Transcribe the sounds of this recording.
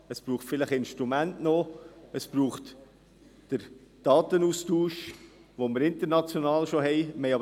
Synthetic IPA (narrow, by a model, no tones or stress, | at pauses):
əspɾuːχtfɪləχɪnʃtɾumæntnoəspɾuːχt | d̥əɾd̥ɑːtənustuːʃʋoməɾɪnt̪əɾnɑt͡sjonɑːlʃoɦɛɪmɛɪɑb